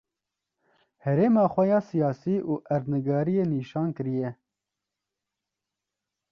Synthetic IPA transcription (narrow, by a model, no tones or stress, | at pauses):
hɛɾeːmɑːxʷɛjɑːsijɑːsiːʔuːʔɛɾnɨɡɑːɾijeːniːʃɑːnkɨɾijɛ